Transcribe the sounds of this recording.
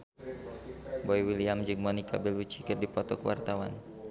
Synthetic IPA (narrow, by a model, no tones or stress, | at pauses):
bɔiwiliamd͡ʒɨŋmɔnika̰bɛlut͡ʃi̥kərdipɔt̪ɔkəwa̰rt̪awan